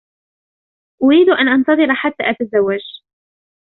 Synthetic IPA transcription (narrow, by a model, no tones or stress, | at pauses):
ʔʊɾiːd̪ʔanʔɑnt̪ɑðˤɨɾħat̪ːa̰ːʔat̪azawːad͡ʒ